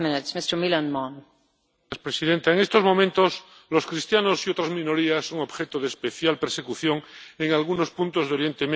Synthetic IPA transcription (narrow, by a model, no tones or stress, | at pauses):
mɪ̃nɪtsmɪstə˞milə̃nmɔn | spɾesiðent̪aeŋest̪o̞zmo̞mẽnt̪o̞s | lo̞skɾist̪janosiot̪ɾazmĩnoɾiasːo̞ŋo̞βxet̪oð̞espeθjalpeɾse̞kuθjo̞ŋeŋalɣ̞uno̞spunt̪o̞zðeo̞ɾje̞nt̪em